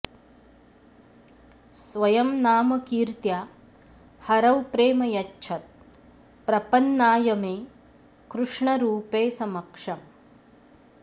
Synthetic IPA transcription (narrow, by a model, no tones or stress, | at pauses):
sʋɐjɐmnaːmɐkiːɾt̪ja | hɐɾɐwpɾeːmɐjɐt͡ʃːt͡ʃʰɐt̪̚ | pɾɐpɐnːaːjɐmeː | kɾuʂɳɐɾuːpeːsɐmɐkʂɐm